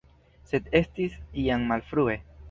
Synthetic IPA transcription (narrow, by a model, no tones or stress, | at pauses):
se̞de̞stisiaŋmalfɾue̞